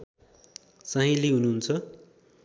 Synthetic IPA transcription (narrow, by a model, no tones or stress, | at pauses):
saɦĩliɦunuɦunt͡sʰʌ